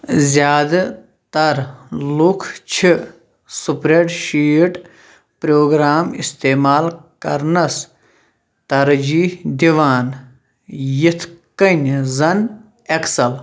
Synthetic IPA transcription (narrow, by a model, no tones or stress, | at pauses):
zʲjaːd̪ɐ | t̪ɐɾlukʰt͡ʃʰi | supɾeʈʃiːʈ | pɾoːɡɾaːmist̪eːmaːlkɐɾnɐs | t̪ɐɾd͡ʒiːhd̪iʋaːn | jit̪ʰkɐnʲzɐn | ɐksɐl